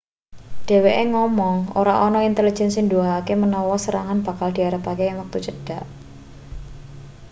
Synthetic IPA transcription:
ɖ̥e̤weʔeŋɔmɔŋo̰ɾaʔɔnɔint̪eli̥d͡ʒɛ̤nsinduaakemənɔwɔsəɾaŋanb̥ä̤kald̥̪i̤aɾəpakejaŋwak̚t̪ut͡ʃəɖ̥a̤ʔ

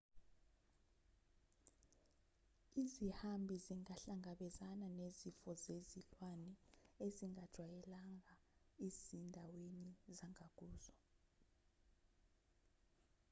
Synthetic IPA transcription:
izihambʱiziŋaɬaŋʱaɓɛzananezifɔzezilwanɛeziŋad̥ʒ̥ʱwajɛlaŋaizindʱawenizaŋak̬ʼuːzɔ

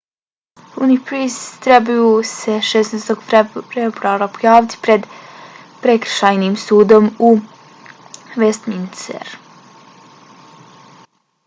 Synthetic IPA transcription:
unipɾist̪ɾebajuseʃesneːst̪o̞ɡfebɾuaɾapojaːʋit̪i̥pɾe̞d̪ | pɾe̞kɾ̩ʃaːjniːmsuːd̪o̞mu | ʋest̪minsḛɾ

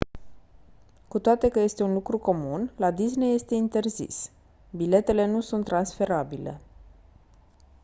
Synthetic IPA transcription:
kut̪oat̪e̞kəje̞st̪e̞unlukɾuko̞munlad̪isne̞je̞st̪e̞int̪e̞rzḭs | bile̞t̪e̞le̞nusunt̪ːɾansfe̞ɾabile̞̰

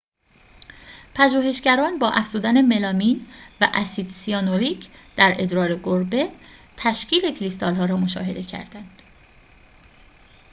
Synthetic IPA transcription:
pʰæʒuːhe̞ʃɟæɾɒːnbɒːʔæfz̥uːd̪æne̞me̞lɒːmiːnvæ̰ʔæsid̪siɒːnoɾiːcʰd̪̥æɾe̞d̪ɾɒːɾe̞ɡoɾbe̞t̪ʰæʃcʰiːle̞cʰɾist̪ʰɒːlɦɒːɾɒːmo̞ʃɒ̰ːɦe̞d̪e̞cʰæ̰ɾd̪ænd̪̥

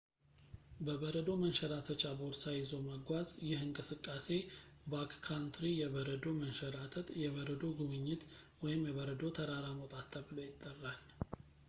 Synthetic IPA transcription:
bəβəɾəd̪o̞mənʃɛɾat̪ʰət͡ʃaboɾd̪sajɪzoməɡʷazjɪhɨŋkʼɨsɨkʼːase̞bakkʰːant̪ʰɾijɛβəɾəd̪o̞mənʃɛɾat̪ʰət̪ʼjɛβəɾəd̪o̞ɡuβɨɲːɪt̪wɔjɪmjɛβəɾəd̪o̞t̪ʰəɾaɾamot̪ʼat̪ʰːəbɨlojɪt̪ʼːərːal

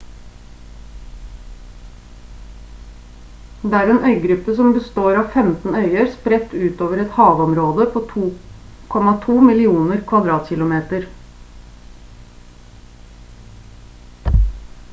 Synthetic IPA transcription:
d̪eːæːɾeːnœʏɡɾʉpːəsɔmbəst̪oːɾɑːʋfɛmt̪n̩œʏəɾspɾɛt̪ːʉːt̪oːʋəɾɛt̪hɑːʋɔmɾoːd̪əpʰoːt̪ʰuː | kʰɔmɑt̪ʰuːmɪlɪuːnəɾkʰʋɑd̪ɾɑːt̪çɪlʊmeːt̪əɾ

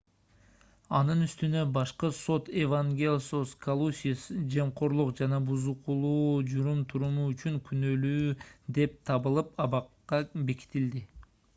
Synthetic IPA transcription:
ɑnɯnyst̪ynø̞bɑʃqɯso̞t̪evaŋɡʲelʲsoskʰɐlˠusʲisd͡ʒeɴqʰo̞ɾlˠuqd͡ʒɑnɑbuzuqʰulˠuːd͡ʒuɾumt̪ʰuɾumuːt͡ʃyŋkʰynø̞lyːd̪e̞p̚t̪ʰɑβɯlˠɯpɑβɑqːɑbe̞ki̥t̪ild̪i

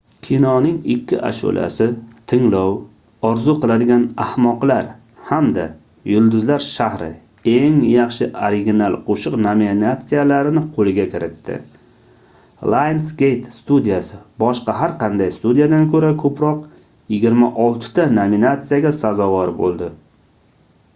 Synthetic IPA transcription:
kʲʰinɒnɪŋɪkʲʰːɪʔa̰ʃo̰lʔa̰sɪt̪ʰɪŋlɒw | ɒɾzʊqɨlˠad̪ɪɡʲanahmɒqlaɾ | hamd̪a̰ | jʊlˠd̪ʊzlaɾʃahɾɪ̰ | e̞ŋjɑχʃɪʔoɾɪɡʲinalˠqʰoʃɨqnominat̪sijalaɾɪnɪqʰolɪɡʲakʲʰɪɾɪt̪ːɪ̰ | lˠajnsɡʲe̞jt̪st̪ud̪ijasɪbɒʃqɑɦaɾqɑnd̪ajst̪ud̪ijad̪ankʰɵɾakʰɵpɾɒq | jɪɡʲɪɾmaʔɒlˠt̪ʰɪ̥t̪ʰanominat̪sijaɡʲasazɒvɒɾbo̰lˠd̪ɪ

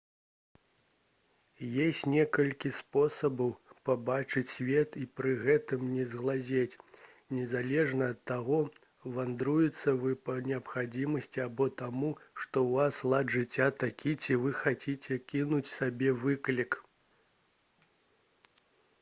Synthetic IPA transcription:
jesʲt͡sʲnʲɛkɐlʲkʲispɔsɐbɐwpabat͡ʂɨt͡sʲsvʲɛt̪ipɾɨɣɛt̪ɨmnʲɛzɣlˠazʲet͡sʲ | nʲɛzalʲɛʐnɐːt̪ːaɣɔ | vand̪ɾujɛt̪sːɐvɨpɐnʲɛɐpxad͡zʲimɐsʲt͡sʲiabɔt̪amuʂt̪ɔwvaslˠad̪ʐɨt͡sʲːat̪akʲit͡sʲivɨxat͡sʲit͡sʲɛkʲinut͡sʲsabʲɛvɨklʲik

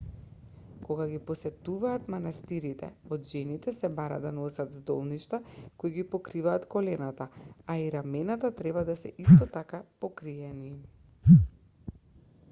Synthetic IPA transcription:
koɡaɡipɔsɛt̪uvaːt̪manast̪iɾit̪ɛ̰ɔd̪ʒɛnit̪ɛsɛbaɾa̰d̪anɔsat̪zd̪ɔlˠniʃt̪akoiɡipɔkɾivaːt̪kɔlɛnat̪aaiɾamɛnat̪at̪ɾɛbad̪asɛ̰ʔist̪ɔt̪akapokɾiɛni

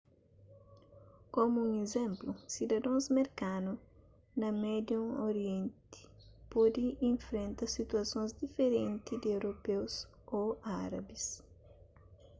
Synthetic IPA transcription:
komuũŋezẽmplusid̪ɐd̪õzmeɾkanu | nɐmɛd̪jõoɾiẽnt̪i̥pɔd̪iĩɱfɾẽnt̪ɐsit̪uɐsõnzd̪ifeɾẽnt̪id̪ɪewɾopews | oaɾɐ̰bis

